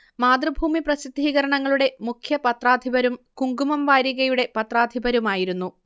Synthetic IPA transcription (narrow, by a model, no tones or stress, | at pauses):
maːd̪rɐbʱuːmiprɐsid̪ʱːiːɣɐɾɐɳɐŋːɐɭuɽe̞mukʰjɐpɐt̪raːd̪ʱibɐɾumkuŋɡumɐmʋaːɾjiɣɐjuɽe̞pɐt̪raːd̪ʱibɐɾumaːjiɾunːu